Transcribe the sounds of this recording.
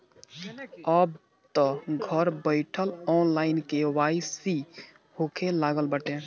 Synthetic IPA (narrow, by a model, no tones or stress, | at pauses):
əb | t̪ɔɡʱəɾbəɪʈʰəlɔnlaːɪnkewaːɪsi | hokʰelaːɡəlbəʈẽ